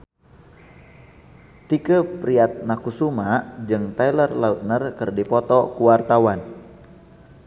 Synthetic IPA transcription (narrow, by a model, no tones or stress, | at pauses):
t̪ikəpɾiat̪̚nakusumad͡ʒɨŋt̪ajlərlaut̪̚nərkɨrdipɔt̪ɔkuwart̪awan